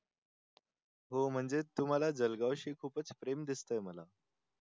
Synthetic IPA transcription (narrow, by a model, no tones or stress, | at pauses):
ɦom̤əɳd͡zet̪um̤alad͡zəlɡaʋɕiːkʰuːpət͡spɾemd̪ist̪əjm̤əla